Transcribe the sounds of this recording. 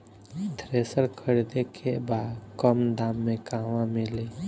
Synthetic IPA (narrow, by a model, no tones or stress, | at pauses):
d̪ʱɾeːsəɽkʰəɽid̪ekʰebaːd̪kəmd̪aːmːẽkaːʋãmɪli